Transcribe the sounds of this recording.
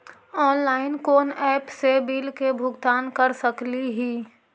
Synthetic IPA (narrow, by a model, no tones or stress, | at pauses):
ɔːnlaːɪnkoːnɛːpsebiːlkebʱʊɡt̪aːnkɐɾsɐkliɦiː